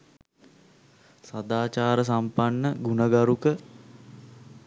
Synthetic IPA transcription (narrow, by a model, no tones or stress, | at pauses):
sad̪aːt͡ʃaːɾəs̬ampanːəɡunəɡaɾukə